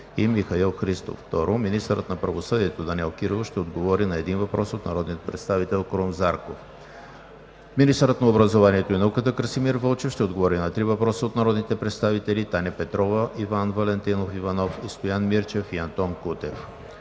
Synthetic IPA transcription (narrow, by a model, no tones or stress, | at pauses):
imixɐilˠxɾist̪o̰fːt̪ɔɾominist̪əɾət̪nɐpɾɐvosɤd̪iɛt̪od̪ɐnʲɛlˠkiɾovoʃt̪ɛod̪ɡovɔɾinɐɛd̪invɐpɾʔɔsot̪nɐɾɔd̪nijət̪pɾɛt̪st̪avit̪ɛlˠkɾomzaɾkof | minist̪əɾət̪nɐobɾəzovaniɛt̪oinɐukət̪əkɾsimiɾvɤlˠt͡ʃɛfʃt̪ɛod̪ɡovɔɾinɐt̪ɾivɐpɾɔsəot̪nɐɾɔd̪nit̪ɛpɾɛt̪st̪avit̪ɛlit̪anʲɛpɛt̪ɾɔvəʔivanvɐlɛnt̪inofivɐnɔfist̪ojanmiɾt͡ʃɛfiɐnt̪ɔnkut̪ɛf